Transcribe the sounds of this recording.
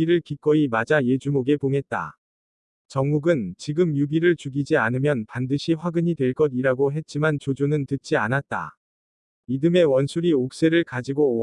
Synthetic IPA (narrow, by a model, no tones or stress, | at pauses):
iɾɯɭkik͈ʌimad͡ʑaje̞d͡ʑumoɡe̞poŋɦe̞t̚t͈a̰ | t͡ɕʌŋɡuɡɯnt͡ɕiɡɯmjuɡiɾɯɭt͡ɕuɡid͡ʑianɯmjʌnpandɯɕʰiɸwaɡɯɲidwe̞ɭk͈ʌdiɾaɡoɦe̞t̚t͡ɕ͈imant͡ɕod͡ʑonɯntɯt̚t͡ɕ͈ianat̚t͈a̰ | midɯme̞wʌnsʰuɾiok̚s͈e̞ɾɯɭkad͡ʑiɡo